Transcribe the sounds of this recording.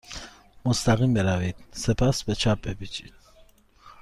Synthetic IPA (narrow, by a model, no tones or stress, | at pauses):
mɔst̪aɣimbɛɾavit̪nsɛpʰasbɛt͡ʃʰapʼɛbit͡ʃʼi